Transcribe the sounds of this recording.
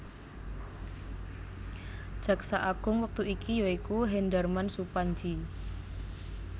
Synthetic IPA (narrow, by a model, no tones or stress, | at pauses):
d̥d͡ʒʒ̥ä̤ksaʔaɡ̥ʊ̤ŋwək̚t̪uikʰijɔikuɦɛndərmansupaɲd͡ʒi